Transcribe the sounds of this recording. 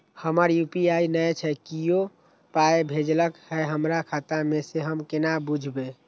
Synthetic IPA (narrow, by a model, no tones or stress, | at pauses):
həməɾjupiainəjt͡ʃʰɛkijo | paebʱed͡ʒləkhɛɦəmɾakʰat̪ameseɦəmkenabud͡ʒʱbe